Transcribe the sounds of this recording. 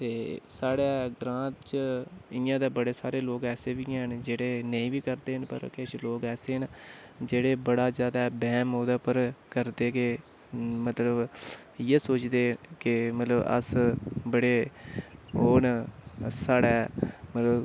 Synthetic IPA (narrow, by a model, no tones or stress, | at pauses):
t̪eːsaːɽaːɡɾãːt̪t͡ʃɪjãːd̪aːbəɽeːsaːɾeːloːkɛːseːʋiːɦnd͡ʒeːɽeːnəĩːʋiːkəɾd̪eːɦənpə̰ɾkeʃloːkɛːseːɦnd͡ʒeːɽeːbəɽaːzjaːd̪aːbɛːmoːd̪aːpəɾkəɾd̪eːkɪ | mət̪ləb | jeːsoːt͡ʃd̪eːkɪmət̪ləbə̰sbəɽeː | oːn | saːɽaːmət̪ləb